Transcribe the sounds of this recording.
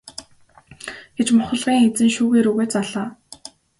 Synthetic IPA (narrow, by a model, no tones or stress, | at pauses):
ɡ̥et͡ɕmʊχə̆ɮʁiːŋet͡sɘ̆nʃuːɣeːɾuːɣeːt͡saɮaː